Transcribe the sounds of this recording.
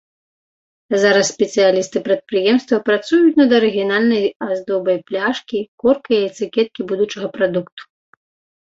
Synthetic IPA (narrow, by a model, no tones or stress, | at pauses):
zaɾɐsːʲpʲɛt̪sɨjalʲist̪ɨpɾɐt̪̚pɾɨjɛmst̪vɐpɾat̪sujut͡sʲnɐd̪ɐɾɨɣʲijanalʲnɐjazd̪ɔbɐjplʲaʂkʲikɔrkɐjɐt̪sɨkʲɛt̪̚kʲibud̪ut͡ʂɐɣɐpɾad̪ukt̪u̥